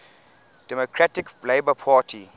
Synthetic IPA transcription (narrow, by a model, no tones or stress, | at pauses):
d̥ɛmokʰɹatɪkbleɪbəpʰaːtʰi